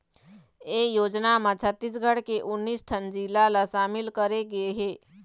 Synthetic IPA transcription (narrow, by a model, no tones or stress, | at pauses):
eːjoːd͡ʒnamãt͡ʃʰət̪ːis̬ɡʱəɽkeʔʊnːiːsʈʰənd͡ʒilalaʃaːmɪlkəɾeɡɐeɦeː